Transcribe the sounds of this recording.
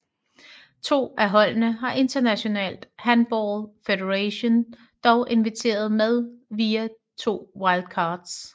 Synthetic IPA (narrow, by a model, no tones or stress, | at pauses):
t͡sʰo̝̰ːæɦɒ̽l̰nəɦɑ̈ʔe̝nd̥ɐnæɕo̝nɛ̰ːld̥hænb̥ɒlfeɾeʁæɕo̝n | d̥ɒʊʔe̝nʋit͡sʰe̝̰ːɐð̞̩ˠmeð̞ˠʋiːæ | t͡sʰo̝̰ːwɑ̈ɪld̥kʰɑ̈ːd̥s